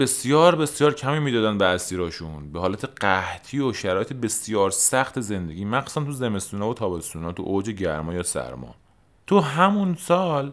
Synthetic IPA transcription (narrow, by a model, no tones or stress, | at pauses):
be̞sjɒːɾbe̞sjɒːɾcʰæmiːmiːd̪ɒːd̪ænbeæsiːɾɒːʃunbehɒːlæt̪ʰeɢ̥æht̪ʰiːoʃæɾɒːjet̪ʰebe̞sjɒːɾsæxt̪ʰeze̞nd̪e̞ɡʲiːmæqssænt̪ʰuzemest̪uːnɒːvot̪ʰɒːbest̪uːnɒːt̪ʰṵʔod͡ʒeɟæɾmɒːjɒːsæ̰ɾmɒ̰ː | t̪ʰuɦæmunsɒːl